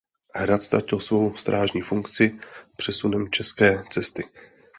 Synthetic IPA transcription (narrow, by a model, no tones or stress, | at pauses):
ɦɾat̪st̪ɾa̰cɪlsvo̞wst̪ɾʔaːʒɲiːfuŋkt͡sɪpr̝̥ɛsunɛmt͡ʃɛskɛːt͡sɛst̪ɪ